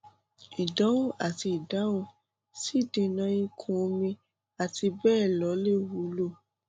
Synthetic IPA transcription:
i˨da˨˦wũ˦a˨ti˧i˨da˨˦wũ˦ | si˦˨dĩ˧nã˧ĩ˦kʰũ˦˧mĩ˧ | a˨ti˧bɛː˦˨lɔ˨˦le˦˨wu˨˦lo˦˨

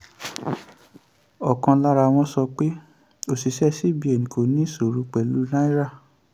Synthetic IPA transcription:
ɔ˨kã˧la˦ɾa˧w̃ɔ̃˧sɔ˧k͡pe˦ | o˧˨si˨sɛ˦si˦bi˧ɛ˨nĩ˨ko˨˦nĩ˦so˨ɾu˨˧˦k͡pɛ˨lu˨˦nã˦i˦ɾa˦˨

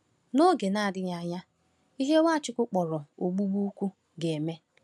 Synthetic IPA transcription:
no˦ɡe˨na˦a˨dɪ˦ɲa˨ɲa˦ | i˦ɦe˦wʷa˦˨t͡ʃɪ˦kʊ˦k͡pɔ˨ɾɔ˨o˨ɡ͡bu˦ɡ͡bu˦kʷu˦ | ɡe˨me˦

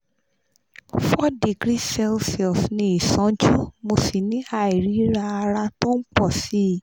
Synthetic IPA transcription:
fɔ˦di˨ɡɾi˦sɛ˦˧lsɛ˨lfnĩ˧i˨sã˨˦d͡ʒu˦mo˧si˨nĩ˨˦a˦˨i˨ɾi˨˦ɾa˦˧a˧ɾa˧to˦n̩˦k͡pɔ˦˨si˨˦˨

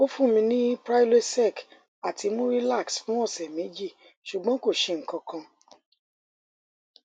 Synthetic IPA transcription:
o˦fũ˦˨mĩ˧nĩ˦pɾa˦jle˦tsɛ˦˨k | a˨tʰi˧mũ˦ɾi˦la˦˨ksfũ˦ɔ˦˨sɛ˨mẽ˨˦d͡ʒi˦˨ | ʃu˨ɡ͡bã˨˦ko˦˨ʃe˧˨ŋ̩˨kã˧kã˧

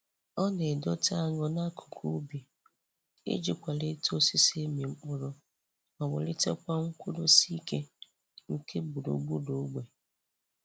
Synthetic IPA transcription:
ɔ˦ne˨dɔ˦ta˦ŋɔ˦na˦kʰu̥˨kʰu˦bi˨ | ḛ˦d͡ʒi˦kʷa˨le˦to˦si˦se˦mi˨ŋ͡m̩˦k͡pʊ˦ɾʊ˦ | ɔ˨wʊ̰˨lɪ˦te˦kʷa˦ŋ̩˦kʷu˦do˦si˦ke˦ | ŋ̩˨kʰe˦bu˨ɾo̰˨ɡ͡bu˦do˨˦ɡ͡be˨

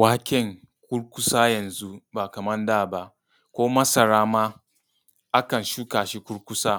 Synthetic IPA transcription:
waː˦kʲɪ˦˨ŋ | kʷʊ˦ɽkʷʊ˦saː˦jɐ˨nzu˦ba˨kɐ˨mɐ˦ndaː˦˨ba˦ʔ | kʷoː˦mɐ˦sɐ˨ɾaː˦ma˦ | ʔa˦kɐ˨nʃu˦kaː˨ʃi˦kʷʊ˦ɽkʷʊ˦saː˦

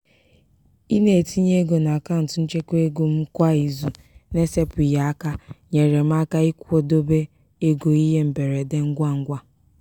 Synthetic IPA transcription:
i˦ne˨ti˦ɲe˦ɡo˨na˨ka˦n̩˨tʊ˨n̩˦t͡ʃe˦kʷe˦ɡu˨m̩˦kʷa˦i˨zu˨ | ne˦se˦pʊ˨ja˨a˦ka˦ɲe˨ɾe˨m̩˦a˦ka˦i˦kʷo˦do˦be˦ | e˦ɡo˨i˦ɦe˦m̩˨be˨ɾe˨de˦ŋ̩˦ɡʷa˦ŋ̩˦ɡʷa˦

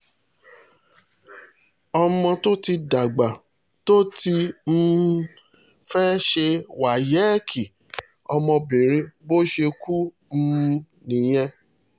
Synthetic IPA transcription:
ɔ˧mɔ̃˧to˦ti˧da˨ɡ͡ba˨ | to˦ti˧n̩˦ | fɛ˦ʃe˧wa˨jɛ˨˦kʰi˨ | ɔ˧mɔ̃˧be˨ɾĩ˧bo˦ʃe˧ku˦ | m̩˦ | nĩ˨j̃ɛ̃˧

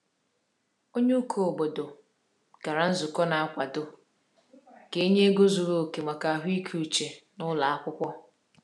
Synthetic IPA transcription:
o˦ɲe˦u˦kʰo˨bo˨do˨ | ka˨ɾa˨n̩˦zʊ˨kɔ˦na˨a˦kʷa˨do˨ | ke˦ɲe˦ɡo˦zu˨ɾo˨ke˨ma˨ka˨a˨ɦʷi˦kʰu˨t͡ʃe˨nʊ˦la˨a˦kʷʊ˦kʷɔ˦

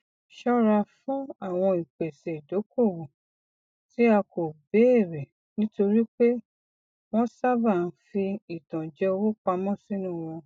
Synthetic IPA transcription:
ʃɔ˦ɾa˧fũ˦a˦˨w̃ɔ̃˧i˨k͡pe˨se˨do˨˦ko˦˨wo˨ | ti˨˦a˧ko˨be˨˦e˦˨ɾɛ˨ | nĩ˦to˧ɾi˦k͡pe˦ | w̃ɔ̃˦sa˦ba˦˨n̩˦fi˧i˨tã˨d͡ʒɛ˦o˧wo˦k͡pa˧mɔ̃˦˨si˨˦nũ˦˨w̃ɔ̃˧

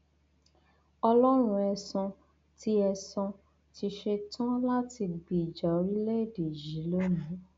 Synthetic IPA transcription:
ɔ˧lɔ˦ɾ̃ũ˧ɛ˧sɔ̃˧ | ti˧˦ɛ˧sɔ̃˧ | ti˧ʃe˧tʰɔ̃˦la˦ti˧ɡ͡bi˨d͡ʒɔ˨˦ɾi˦le˦e˨de˨d͡ʒi˨˦lo˦nũ˨˦

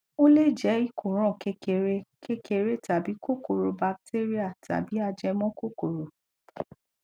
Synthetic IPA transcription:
o˦le˦˨d͡ʒɛ˨˦i˦˨kʰo˨ɾ̃ɔ̃˦˨ke˧ke˧ɾe˦ke˧ke˧ɾe˦ta˨bi˨˦ko˦ko˨ɾo˧ba˧k̚te˦ɾi˦a˦˨ta̰˨bi˨˦a˧d͡ʒɛ˧mɔ̃˦ko˦ko˨ɾo˨

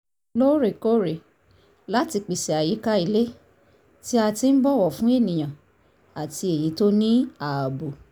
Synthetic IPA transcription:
lo˦ɾe˨ko˦ɾe˨ | la˦ti˧k͡pi˨si˨a˨ji˨˦ka˦i˨˧le˦ | ti˦a˧ti˧˦n̩˦bɔ˦˨wɔ˦˨fũ˦e˦˨nĩ˨j̃ã˨ | a˨ti˧e˨ji˨˦to˦nĩ˦a˨a˨bo˨

